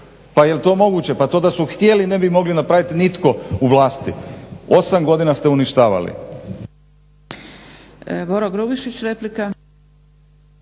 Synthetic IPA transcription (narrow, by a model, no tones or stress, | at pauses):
pajelt̪o̞ːmo̞ɡuːt͡ɕe̞pat̪o̞ːd̪asuxt̪ʲjeline̞bimo̞ɡlinapɾaʋit̪init̪ko̞uʋlˠaːst̪io̞samɡo̞d̪inast̪e̞uniʃt̪aːʋa̰lḭ | boɾoɡɾubiʃit͡ɕɾeplika